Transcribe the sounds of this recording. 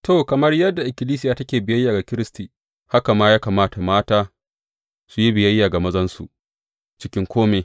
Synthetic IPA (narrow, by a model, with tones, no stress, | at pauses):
toː˨kɐ˨mɐ˦rjɐ˦dːa˨ʔɪ˨kʲɪ˨liː˦s̬ɪ˦jaː˨tɐ˦kʲeː˨bɪ˨jɐ˦jːaː˨ɡa˨kʲɪ˦ɾɪ˦stiː˨ | ha˦ka˨maː˦jaː˦kaː˨maː˦ta˨maː˦taː˦ | su˦ji˦bɪ˨jɐ˦jːaː˨ɡa˨mɐ˦zɐ˦nsṵ˨ʔ | t͡ʃɪ˦kʲɪ˦ŋkʰʷoː˦meː˨